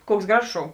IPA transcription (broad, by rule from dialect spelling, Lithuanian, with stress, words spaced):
ˈkuɔks ˈɡrɑːʒoːs ˈʃoːʊ